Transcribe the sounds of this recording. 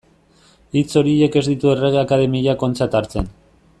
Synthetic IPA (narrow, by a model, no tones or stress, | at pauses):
it͡so̞ɾie̞ke̞zd̪it̪ue̞re̞ɣ̞eakaðe̞miʎako̞nt͡sat̪aɾt͡se̞n